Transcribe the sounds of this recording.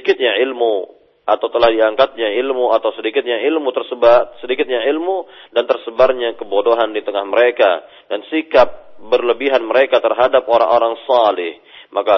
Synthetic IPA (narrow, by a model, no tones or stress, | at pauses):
kɪt̪̚ɲailmu | ʔat̪awt̪əlahdiaŋkat̪̚ɲailmuat̪awsədikɪt̪̚ɲaʔilmut̪ərsəbasədikɪt̪̚ɲailmudant̪ərsəbarɲakəbodoɦandit̪əŋahməɾeka̰ | dansikap̚bərləbiɦanməɾekat̪ərɦadap̚oɾa̰ŋʔoɾaŋsalɪh | maka